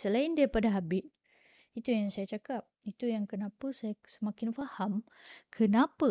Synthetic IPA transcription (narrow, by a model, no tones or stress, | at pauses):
səlaɪndipadaɦabɪʔ | it̪ujaŋsajat͡ʃakap̚it̪ujaŋkənapəsajasəmakɪnfaham | kʰənapa